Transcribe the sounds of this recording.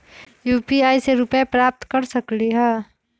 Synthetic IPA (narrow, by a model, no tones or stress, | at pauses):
juːpiaːiseɾʊpapɾaːp̚t̪kəɾsəkliɦɛː